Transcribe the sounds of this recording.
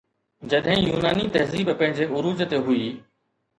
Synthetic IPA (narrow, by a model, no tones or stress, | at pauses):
d͡ʑɐɗɦɪ̃juːnaːnit̪ɐɦziːbpɐ̃ɦɪ̃ɲd͡ʑeːʔʊɾuːd͡ʒt̪eɦʊiː